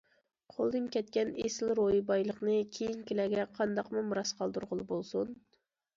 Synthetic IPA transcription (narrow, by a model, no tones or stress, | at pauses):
qʰolˠd̪ɨnkʲʰɛt̪kʲɛnesɪlɾojibɑjlˠəχnɨkʲʰejiŋkʲelɛɡʲɛqʰɑnd̪ɑqmumɾɑsqʰɑlˠd̪uɾʁʊlˠɨbolˠsun